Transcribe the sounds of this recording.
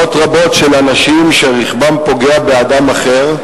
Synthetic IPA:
otʁabo̞tʃelanaʃimʃeʁiχbampo̞ɡeabe̞ad̪amaχeʁ

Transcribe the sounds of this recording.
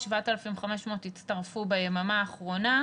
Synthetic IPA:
ʃvaotelafimχameʃmoːtit͡stɐʁfubejemamaːχʁo̞na

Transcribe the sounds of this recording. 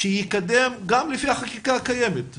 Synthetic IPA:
ʃejikad̪emɡamlefihaχakikakajemet̪

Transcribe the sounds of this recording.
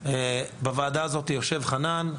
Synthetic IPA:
ebavaːd̪aːzo̞t̪ijo̞ʃe̞vχanan

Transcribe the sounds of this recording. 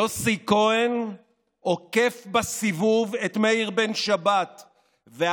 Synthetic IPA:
osikoen | oke̞fbasivuvet̪meiʁbenʃabat̪ | ve

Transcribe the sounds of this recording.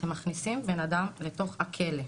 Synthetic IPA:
emːaχnisimbe̞nadamle̞to̞χhakʰe̞le

